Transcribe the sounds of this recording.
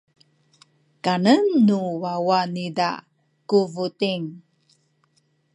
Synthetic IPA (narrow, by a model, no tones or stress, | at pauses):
kanənːuwawanida̰ | kuvutiŋ